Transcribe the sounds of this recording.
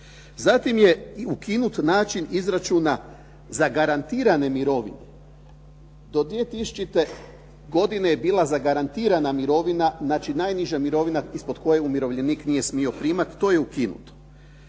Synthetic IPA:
zat̪imjeukinut̪naːt͡ʃinizɾat͡ʃuːna | zaɡaɾant̪iːɾane̞miɾo̞ʋḭne | d̪o̞d̪ʋijet̪isu̥t͡ʃit̪e̞ | ɡo̞d̪inejebiːlˠazaɡaɾant̪iːɾanamiɾo̞ʋinaznaːt͡ʃinaːjniʒamiɾo̞ʋinaispod̪ko̞jeumʲjiɾo̞ʋʎeniːknije̞smio̞pɾiːmat̪ːo̞ːjeukinṵt̪o̥

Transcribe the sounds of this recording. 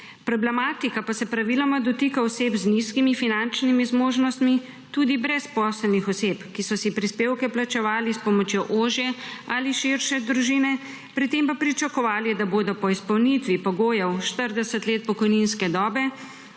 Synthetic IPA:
pɾɔblɛmaːt̪ikapasɛpɾaʋilɔmad̪ɔt̪ikaɔseːbzniskimifinant͡ʃnimizmoːʒnɔst̪mi | t̪uːd̪ibɾɛspɔːsɛlnixɔseːpkisɔsipɾispeːwkɛplat͡ʃɛʋaːlispɔmɔt͡ʃjoʔoːʒjɛaliʃiɾʃɛd̪ɾuʒiːnɛ | pɾit̪empapɾit͡ʃakɔʋaːlid̪aboːd̪ɔpɔispɐwnit̪ʋipɔɡoːjɛwʃt̪əɾd̪ɛsət̪leːt̪̚pɔkɔjninskɛd̪ɔːbɛ

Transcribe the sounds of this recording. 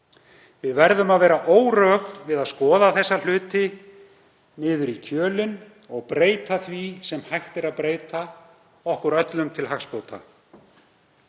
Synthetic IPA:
vɪðvɛɾðʏmaðvɛːɾaʔoːwrœxt̪vɪðaðskɔːðaθɛsːal̥ʏːt̪ɪ | nɪːðʏɾicʰœːlʏn | ɔɣpɾeːjt̪aθvisɛmhajxt̪ɛɾaðpɾeːjt̪a | ɔhkʏɾœt̪lʏmt̪ʰɪlɦaxspoːwt̪a̰

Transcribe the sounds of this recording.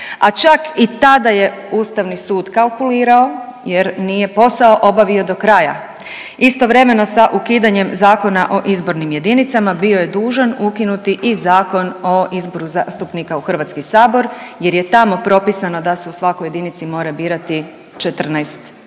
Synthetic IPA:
at͡ʃakit̪ad̪aje̞uːst̪aʋnisuːd̪kalˠkuliːɾao̞jeɾnije̞po̞sao̞ʔo̞baʋio̞d̪o̞kɾaja̰ | ist̪o̞ʋɾe̞me̞no̞saʔukiːd̪aɲe̞mzaːko̞naʔo̞ʔizbo̞ɾnimje̞d̪init̪samabio̞je̞d̪uːʒanukinut̪iʔizaːko̞no̞izbo̞ɾuzast̪upnikauxr̩ʋat̪skisaːbo̞ɾje̞ɾje̞t̪amo̞pɾo̞pisano̞d̪ase̞usʋakoje̞d̪init̪simo̞ːɾabiːɾat̪i | t͡ʃet̪r̩najst̪

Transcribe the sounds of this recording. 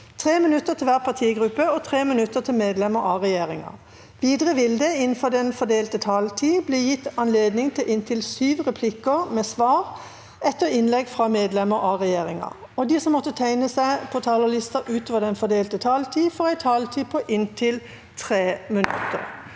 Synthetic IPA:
t̪ʰʁeːmɪnʉt̪ːəʁt̪ʰɪlʋæːʁpʰɑt̪ʰiːɡʁʉpəɔt̪ʰʁeːmɪnʉt̪ːət̪ʰɪlmeːd̪lɛməɾɑʁɛjeːʁɪŋɑ̰ | ʋiːd̪ʁəʋɪld̪əɪn̩fɔʁd̪ɛnfɔd̪eːlt̪ət̪ʰɑːlt̪ʰiːbleːjɪt̪ːɑnleːd̪nɪŋt̪ʰɪlʔɪnt̪ʰɪlsyːʋʁɛpʰlɪkəʁmɛːsʋɑːʁ | ɛt̪ːəʁɪnlɛɡfʁɑmeːd̪lɛməɾɑʁɛjeːʁɪŋɑ̰ | ɔd̪iːsɔmːɔt̪ːət̪ʰæɪnəsæɪpʰɔt̪ʰɑːləʁlɪst̪ɑʔʉːt̪ʰoːʋəʁd̪ɛnfɔd̪eːlt̪ət̪ʰɑːlt̪ʰiːfɔʁæɪt̪ʰɑːlt̪ʰiːpʰɔʔɪnt̪ʰɪl | t̪ʰʁeːmɪnʉ̰t̪ːə̰ʁ

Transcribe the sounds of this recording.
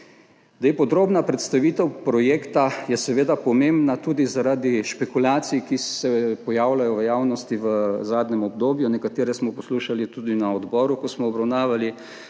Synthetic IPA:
d̪epɔd̪ɾoːbnapɾɛt̪st̪aʋiːt̪ɛwpɾɔjeːkt̪ajɛsɛʋeːd̪apɔmẽmbnat̪uːd̪izaɾad̪iʃpɛkulaːt̪sijkisɛpɔjaːwlajɔʋəjaːwnɔst̪iʋəzaːd̪nɛmɔb̚d̪oːbjunɛkat̪eːɾɛsmɔpɔsluːʃalit̪ud̪inaɔd̪bɔːɾukɔsmɔːbɾawnaːʋali

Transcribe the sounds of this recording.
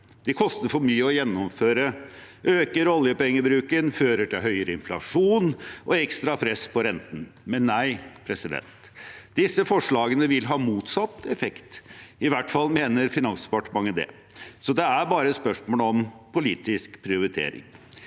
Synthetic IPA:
d̪̥ɪkʰɔst̪əɾfɔɾmyːəɔjɛnːɔmføːɾə | ʔøːkəɾɔljəpɛŋːəbɾʉːkənføːɾəʈʰɪlɦœʏəɾəɪnflɑ̰ʂuːnʔɔɛkst̪ɾɑpʰɾɛspʰɔɾɛnt̪n̩mɛnːæɪpʰɾɛsɪd̪ɛ̰nt̪ | d̪ɪsːəfɔʂɭɑːɡənəʋɪlɦɑːmuːt̪sɑt̪ːɛfɛkt̪ɪʋæʈːfɑlːmeːnəɾfɪnɑnsd̪pɑʈəmɑŋːəd̪ɛ̰ | sɔd̪ɛæɾbɑːɾəspœʂmoːləɔmpʰʊliːt̪ɪskpʰɾɪʊɾɪt̪ʰḛːɾɪ̰ŋ

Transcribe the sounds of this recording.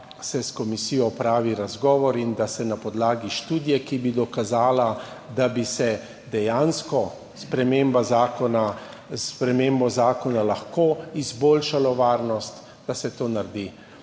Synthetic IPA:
sɛskɔmisiːjɔpɾaːʋiɾazɡɔːʋɔɾind̪asɛnapɔd̪laːɡiʃt̪uːd̪jɛkibid̪ɔkazaːla | d̪abisɛ | d̪ɛjanskɔ | spɾɛmembazaːkɔna | spɾɛmembɔzaːkɔnalaxkoːizboːlʃalɔʋaːɾnɔst̪ | d̪̥asɛt̪oːnaɾd̪i

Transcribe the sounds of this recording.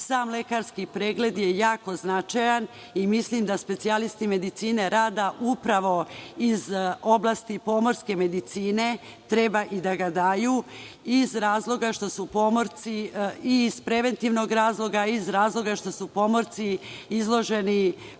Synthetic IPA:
saːmle̞kaɾskipɾeːɡle̞d̪jejaːko̞znat͡ʃajan | imislimd̪aspe̞t̪sialist̪ime̞d̪it̪siːne̞ɾaːd̪aʔupɾaʋo̞izo̞blˠaːst̪ipo̞mo̞ɾske̞me̞d̪it̪siːne̞ | t̪ɾe̞baʔid̪aɡad̪aːju | izɾaːzlˠo̞ɡaʃt̪o̞supo̞moɾt̪siiz̥pɾe̞ʋe̞nt̪iʋno̞ɡɾaːzlˠo̞ɡaizɾaːzlˠo̞ɡaʃt̪o̞supo̞mo̞ɾt̪siizlˠo̞ʒe̞ni

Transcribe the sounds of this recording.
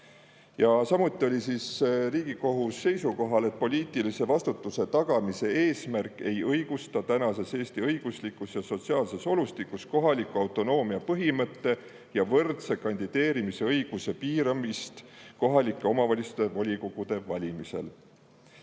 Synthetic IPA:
jɑsɑmut̪ˑːio̞lʲisisriːɡ̥iko̞ɦusːe̞jsuko̞ɦɑle̞t̪̚po̞lʲiːt̪ˑilise̞vɑst̪ut̪ːˑuse̞t̪ɑɡ̥ɑmise̞e̞ːsmærkːˑe̞jɤjɡ̥ust̪ɑt̪ænɑse̞se̞ːst̪iɤjɡ̥uslikːˑusjɑso̞t̪siɑːlse̞so̞lust̪ikːˑusko̞ɦɑlikˑuɑwt̪ˑo̞no̞ːmiɑpɤɦimɤt̪ːe̞ | jɑvɤrt̪se̞kɑnʲd̪id̪̥e̞ːɾimise̞ɤjɡ̥use̞piːɾɑmist̪ko̞ɦɑlikːˑeo̞mɑvɑlʲist̪e̞vɑlʲikoɡ̥ud̪̥e̞vɑlʲimise̞̰l

